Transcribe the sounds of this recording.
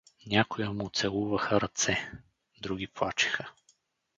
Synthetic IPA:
nʲakʊjəmʊt̪sɛlˠuvɐxəɾɐt̪sɛ | d̪ɾuɡʲiplˠat͡ʃi̥xə

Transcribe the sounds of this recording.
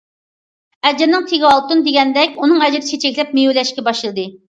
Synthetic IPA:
ɛd͡ʒɪɾnɪŋt̪ʰeɡʲɑlˠt̪und̪eɡʲɛnd̪ɛkʲunɨŋɛd͡ʒɪɾɪt͡ʃʰit͡ʃʰɛkʲlɛp̚mejulɛʃkʲɛbɑʃlˠɨd̪ɨ

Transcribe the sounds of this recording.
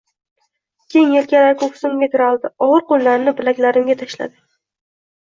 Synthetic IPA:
kʲe̞jŋelkʲaɾakʰokʰʊ̥sʊmɡʲak̪ʲʰʊɾalˠd̪ɪɒʁɨɾqolːaɾnɪbɪlakʲlaɾɪmɡʲat̪ʰaʃla̰d̪ɪ

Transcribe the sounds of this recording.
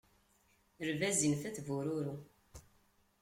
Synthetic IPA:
əɾvæzinθæθvuɾʊɾu

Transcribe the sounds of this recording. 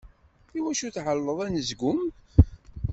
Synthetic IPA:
iwæʃuθʕəlːəðˤænəzɡʊm

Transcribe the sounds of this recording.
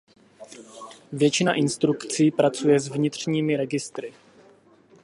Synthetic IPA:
vjɛt͡ʃɪna̰ʔɪnst̪ɾukt͡siːpɾat͡sujɛzvɲɪt̪r̝̥ɲiːmɪɾɛɡɪst̪ɾɪ

